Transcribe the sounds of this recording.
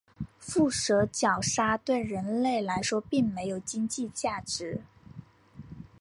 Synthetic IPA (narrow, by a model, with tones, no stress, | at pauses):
fu˥˩ʂɤ˧˥t͡ɕjɑ˨˩ʊʂa˥t̪we˥˩ɪɻə˧˥nle˥˩ɪla˧˥ɪʂwɔ˥pi˥˩ŋme˧˥ɪjo˨˩ʊt͡ɕi˥ŋt͡ɕi˥˧t͡ɕja˥˩ʈ͡ʂɻ̩˧˥